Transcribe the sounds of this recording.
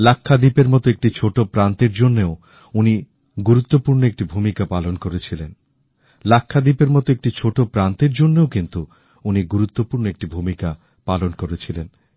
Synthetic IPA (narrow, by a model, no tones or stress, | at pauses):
lakʰːad̪ipeɾmɔt̪oek̚ʈit͡ɕʰoʈopɾant̪eɾd͡ʑonːeo | uni | ɡuɾut̪ːopuɾnoek̚ʈibʱumikapalonkoɾet͡ɕʰilen | lakʰːad̪ipeɾmɔt̪oek̚ʈit͡ɕʰoʈopɾant̪eɾd͡ʑonːeokint̪u | uniɡuɾut̪ːopuɾnoek̚ʈibʱumika | palonkoɾet͡ɕʰilen